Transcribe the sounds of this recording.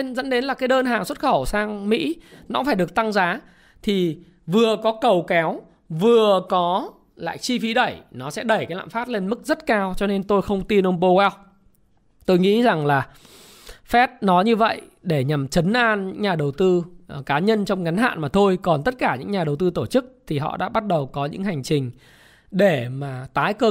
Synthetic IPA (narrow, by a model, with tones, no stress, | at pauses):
nzə̰˧˥nɗe˨˦nlaː˨˩kaː˨˦jɗəː˧nɦaː˨˩ŋswə˦˥t̚xə˧˩wsaː˧ŋmḭ˧˥nɔ˨˦faː˧˩jɗɨ˨˩ək̚t̪a˧ŋzaː˨˦ | t̪ʰi˨˩ | vɨ˨˩əkɔ˨˦kə˨˩wkɛ˨˦w | vɨ˨˩əkɔ˨˦ | la̰ː˧˨jt͡ɕi˧fi˨˦ɗə˧˩jnɔ˨˦sɛ̰˧˥ɗə˧˩jkaː˨˦jla̰ː˧˨mfaː˦˥t̚le˧nmɨ˦˥k̚zə˦˥t̚kaː˧wt͡ɕɔ˧ne˧nt̪o˧jxə˧wŋ͡mt̪i˧nʔo˧nɓo˧waː˧w | t̪o˧jŋḭ˧˥za˨˩ŋlaː˨˩ | fɛ˦˥t̚nɔ˨˦ɲɨ˧və̰˧˨jɗe˧˩ɲa˨˩mt͡ɕə˨˦nʔaː˧nɲɨ̰˧˥ŋɲaː˨˩ɗə˨˩wt̪ɨ˧kaː˨˦ɲə˧nt͡ɕɔ˧wŋ͡mŋa˨˦nɦa̰ː˧˨nmaː˨˩t̪ʰo˧jkɔ˨˩nt̪ə˦˥t̚kaː˧˩ɲɨ̰˧˥ŋɲaː˨˩ɗə˨˩wt̪ɨ˧t̪o˧˩t͡ɕɨ˦˥k̚t̪ʰi˨˩ɦɔ̰˧˨ɗa̰ː˧˥ɓa˦˥t̚ɗə˨˩wkɔ˨˦ɲɨ̰˧˥ŋha˨˩jŋ̟t͡ɕï˨˩ŋ̟ | ɗe˧˩maː˨˩t̪aː˨˦jkəː˧˩